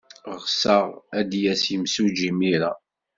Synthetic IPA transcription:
ʁsəʁæd̪jæsiəmsud͡ʒimiɾa̰

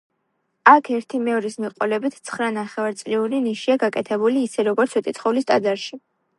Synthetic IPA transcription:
akʰɛɾt̪ʰimɛɔɾismiqʼɔlɛbit̪ʰt̪sʰχɾanaχɛvaɾt̪sʼliuɾiniʃiaɡakʼɛt̪ʰɛbuliːsɛɾɔɡɔɾt̪sʰwɛt̪ʼit̪sʰχɔvlist̪ʼad̪zaɾʃi

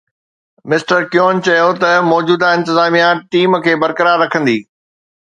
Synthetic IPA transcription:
mɪsʈəɾkjoːnt͡ɕɐjot̪ɐmɔːd͡ʑuːd̪aɪ̃nt̪ɪzaːmijãʈiːmkʰeːbɐɾkəɾaːɾːɐkʰə̃nd̪iː

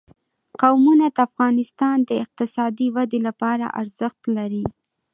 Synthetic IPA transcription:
qawmunad̪əafɣɑnɪst̪ɑnd̪əɪq̚t̪ɪsɑd̪iwad̪elapɑɾa̰ʔa̰ɾz̥əxt̪laɾi

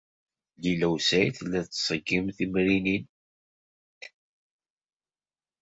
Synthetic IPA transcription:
lilæwsæjθlːæt͡sːsˤəɡːimθimɾinin

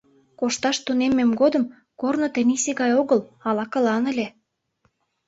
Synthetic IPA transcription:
koʃt̪ɑʃt̪unemːemɡod̪ə̆m | kornot̪ɘ̆niseɣɑjoɣəlɑlɑkɤ̆lɑnə̆lʲe

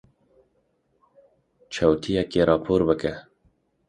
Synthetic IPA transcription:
t͡ʃʰɛwt̪ʰijɛkeːɾʔɑːpʰoːɾbɨkɛ

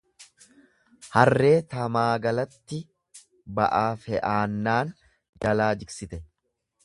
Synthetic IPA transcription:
hɐrːe̞ːt̪ɐmaːɡɐlɐt̪ːɪ | bɐʔaːfɛʔaːnːaːn | d͡ʒɐlaːd͡ʒɪksɪt̪ɛ

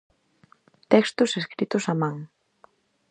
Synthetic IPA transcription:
t̪ɛkst̪ʊseskɾit̪ʊsamãŋ

